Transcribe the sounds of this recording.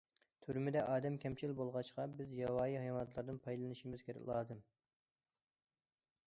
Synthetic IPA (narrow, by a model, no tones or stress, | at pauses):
t̪ʰyɾmɪd̪ɛʔɑːd̪ɛmkʲʰɛmt͡ʃʰilbolˠʁɑʃqɑbɪzjɑwɑːjihɑjɑwɑnt̪lˠɑɾd̪ɨnpʰɑjlˠɨnɨʃimɪz̥kʲʰeɾɛ̰kʲlˠɑːd̪ɨm